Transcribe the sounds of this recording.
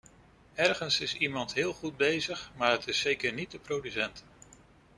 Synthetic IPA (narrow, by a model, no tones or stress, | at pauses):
ɛɹχənsɪsimɑntɦɪːlˠχud̚bejzəχmaːɹɦətɪsːejkəɹnit̚dəprowdysɛnt